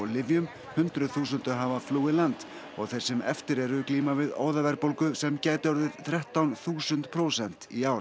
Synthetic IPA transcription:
lɪvjʏm | hʏnt̪ɾʏθuːs̬ʏnt̪ʏɦavafluːɪlant̪ | ɔ̰ɣθejɾ̥sɛmɛ̰ft̪ɪɾɛɾʏkliːmavɪðo̰ːwðavɛɾpowlkʏsɛmcaːjt̪ɔɾðɪðθɾɛht̪awnθuːsʏnt̪pʰɾowsɛn̥t̪iaːwɾ

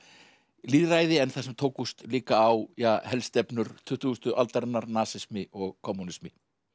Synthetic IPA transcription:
liːðrajðɪɛnθasɛmt̪ʰoːwkust̪liːkaːwjahɛlst̪ɛpnʏɾ̥t̪ʰʏht̪ust̪ʏʔalt̪aɾɪnːaɾnaːsɪsmɪɔɣkʰɔmːunɪsmɪ

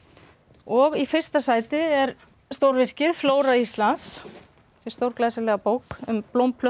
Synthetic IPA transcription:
ɔɣifɪr̥st̪asaːjt̪ɪɛɾ | st̪owɾvɪr̥cɪðfloːwɾaist̪lans | sjɛ̥st̪owɾklajsɪlɛːɣapoːwkʏmplowmpʰlœ

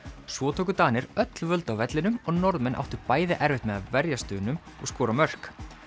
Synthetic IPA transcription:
svɔːt̪ʰoːkʏt̪aːnɪɾœt̪lvœlt̪awvɛt̪lɪnʏmɔɣnɔɾðmɛnʔa̰wht̪ʏɾpaːjðɪʔɛɾvɪht̪mɛðaðvɛɾjast̪ʏːnʏm | ɔɣskɔːɾamœr̥k

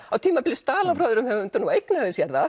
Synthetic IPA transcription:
awt̪ʰiːmapɪlɪst̪aːlafɾaðʏɾʏmhɛvʏʏnt̪anuejknaðɪsjɛɾða

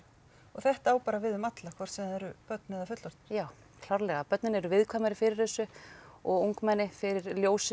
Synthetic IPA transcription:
ɔɣθɛht̪aaːwpaːɾavɪðʏmat̪lakʰvɔr̥t̪sɛmanɛɾʏpœt̪nɪðafʏt̪lɔɾ̥t̪ɪ̥jaːw | kʰl̥aɾlɛɣapœt̪nɪnɛɾʏvɪðkʰvaːjmaɾɪfɪɾɪɾ̥ɛsːʏɔɣowŋkmɛnːɪfɪɾɪɾljoːwsɪ

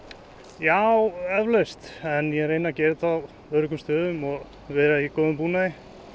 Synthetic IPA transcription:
jawɛvlest̪ɛnjɛɾejnacɛːɾɪt̪aw | œɾʏkʏmst̪œːðʏmɔɣ | vɛːɾaikoːðʏmpuːnaɪ

